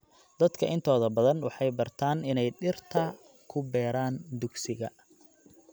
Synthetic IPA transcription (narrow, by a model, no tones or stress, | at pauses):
d̪̥ɐd̪kʰɐʔɪnt̪ʰɔːðɐbɐðɐnwɑħɑjbɐrt̪ʰaːnɪnɛjɖɪrt̪ʰɐ | kʰʊbɛːɾaːnd̪ʊɡsɪɣɐ̰